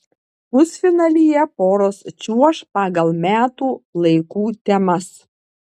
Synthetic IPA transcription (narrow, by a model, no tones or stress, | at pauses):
ʊsʲfʲɪnɐlʲijɛpoːɾoːst͡ʃʲuɔʃpɑːɡɐlˠmʲæːt̪uːlˠɐɪkuːt̪ʲɛmɐs